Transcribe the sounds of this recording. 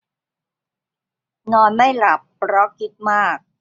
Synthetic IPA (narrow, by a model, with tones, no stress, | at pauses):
nɔː˧nma˥˩jla˨˩pːɾɔ˦˥kʰi˦˥t̪̚maː˥˩k̚